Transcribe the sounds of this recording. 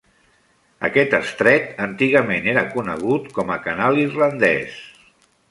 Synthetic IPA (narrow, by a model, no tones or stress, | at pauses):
ə̰kɛt̪əst̪ɾɛt̪ənt̪iɣəmeneɾəkunəɣ̞ut̪kɔməkənalˠirlənd̪ɛ̰s